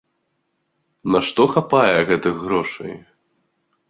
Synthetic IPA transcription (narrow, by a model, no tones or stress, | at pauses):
naʂt̪ɔxapajɛɣɛt̪ɨɣɣːɾɔʂɐ̰j